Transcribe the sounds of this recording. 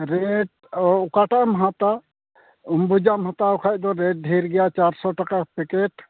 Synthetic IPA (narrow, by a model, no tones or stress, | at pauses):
ɾɛʈ̚ | ɔʊkaʈamɦat̪a | umbud͡ʒamɦat̪aɔkʰaj̚d̪ɔɾɛʈ̚ɖʱejɾɡɛjat͡ʃaɾsɔʈakakpɛkɛʈ